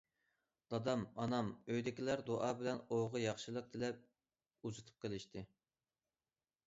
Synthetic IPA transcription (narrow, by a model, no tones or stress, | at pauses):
d̪̥ɑd̪ɑmɑnɑmøjd̪ɪkʲilæɾd̪oʔɑːbɪlɛnoʁəjɑχʃɨlˠəq̚d̪ʰɪlɛp̚ | uzɨt̪ʰɨ̥p̚qʰəlˠɪʃt̪ʰɨ